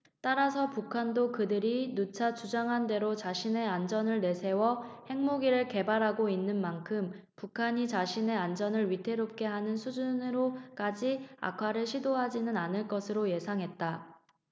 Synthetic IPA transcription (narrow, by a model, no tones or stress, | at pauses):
t͈aɾasʰʌpukʰandokɯdɯɾinut͡ɕʰat͡ɕud͡ʑaŋɦande̞ɾot͡ɕaɕʰine̞and͡ʑʌnɯɭne̞sʰe̞wʌhe̞ŋmoɡiɾɯɭke̞baɾɦaɡoinːɯnmankʰɯm | pukʰaɲit͡ɕaɕʰine̞and͡ʑʌnɯɭɥitʰe̞ɾop̚k͈e̞ɦanɯnsʰud͡ʑunɯɾok͈ad͡ʑia̰kʰaɾɯɭɕʰidoɦad͡ʑinɯnanɯɭk͈ʌsʰɯɾoje̞sʰaŋɦe̞t̚t͈a